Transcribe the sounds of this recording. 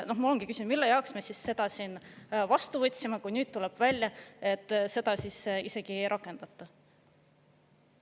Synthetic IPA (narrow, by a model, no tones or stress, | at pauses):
no̞hmɑoloŋɡ̥ikysʲind̪milːejɑoksmesisːe̞d̪̥ɑsiːnvɑst̪uvɤt̪ʲːsimɑkujnyːd̪̚t̪ːulɛb̥vælʲjɑe̞t̪ːˑse̞d̪̥ɑsisise̞ɡ̥iejɾʔɑkːˑe̞nd̪̥ɑt̪ːˑɑ